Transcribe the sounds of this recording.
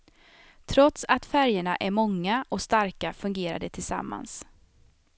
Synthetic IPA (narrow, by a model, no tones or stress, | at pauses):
t̪ʰɾɔt̪sat̪fæɾjaɳaʔæɾmɔŋːaʔɔst̪aɾkafɵŋɡeːɾa̰d̪ət̪ʰɪlsa̰mːa̰ns